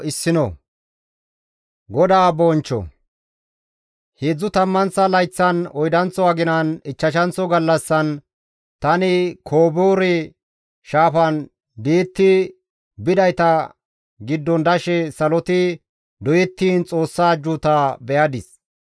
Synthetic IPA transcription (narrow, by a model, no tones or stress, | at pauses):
ɪsːɪnɔ̰ | ɡɔd̪aːbɔːnt͡ʃːɔ̰ | heːd͡zːʊt̪ɐmːɐnt͡sːɐlɐjt͡sːɐnɔjd̪ɐnt͡sːɔɐɡɪnɐnɪt͡ʃːɐʃ̬ɐnt͡sɔɡɐlːɐsːɐn | t̪ɐnɪkʰoːboːɾɛ | ʃaːfɐn | d̪iːt̪ːɪ | bɪd̪ɐjt̪ɐ | ɡɪd̪ːɔnd̪ɐʃɛsɐlɔt̪ɪ | d̪ɔjɛt̪ːiːnt͡sʼo̞ːsːaːd͡ʒuːt̪aːbɛjɐd̪ɪs